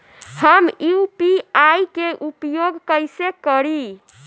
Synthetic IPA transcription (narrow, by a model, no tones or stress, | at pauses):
həmjupiajkeʔupjoɡkəjsekəɾi